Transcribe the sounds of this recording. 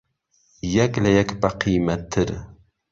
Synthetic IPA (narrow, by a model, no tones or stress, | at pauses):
jɛkʲlɛjɛkʲbæqʰijmɛt̪ʰːɪɾ